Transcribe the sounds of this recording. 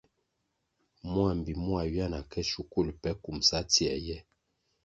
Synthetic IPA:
mwa˦˨m˨bi˨mwa˨ɥja˦na˨kɛ˦ʃu˨ku˦˨lpɛ˦ku˨msa˦ti˨ɛ˨jɛ˦

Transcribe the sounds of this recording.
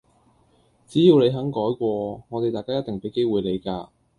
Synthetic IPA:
t͡siː˨˥jiː˨˧wle˨˧jɦɐ˨˥ŋkɔː˨˥jkʷɔː˧ŋɔː˨˧t̪e˨jt̪aː˨jkaː˥jɐ˥t̪ɪ˨ŋpe˨˥jke˥jwuː˨˩jle˨˧jkaː˧

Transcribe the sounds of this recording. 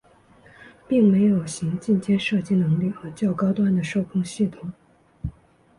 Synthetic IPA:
pi˥˩ŋme˧˥ɪjo˨˩ʊɕi˧˥ŋt͡ɕi˥˧nt͡ɕjɛ˥nʂɤ˥˧t͡ɕi˥˩nɤ˧˥ŋli˥˩xɤ˧˥t͡ɕjɑ˥˩ʊkɑ˥ʊt̪wa˥nd̪ə˨ʂo˥˩ʊkʰʊ˥ŋɕi˥˩t̪ʰʊ˨˩ŋ

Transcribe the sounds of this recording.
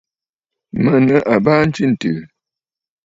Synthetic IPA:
mə˦˨nə˦ʔa˨baː˦n̩˦t͡ʃi˦n̩˨tɨ̰ː˨

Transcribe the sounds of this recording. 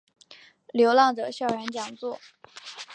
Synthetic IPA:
ljo˧˥ʊlɑ˥˩ŋʈ͡ʂɤ˨˩ɕjɑ˥˩ʊɥɛ˧˥nt͡ɕjɑ˨˩ŋt͡swɔ˥˩

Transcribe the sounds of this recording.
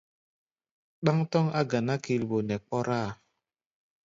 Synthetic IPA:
ɗa˦ŋtɔ˦ŋa˦ɡa˨na˦ki˨lbo˨nɛ˨k͡pɔ˦ɾa˦˨

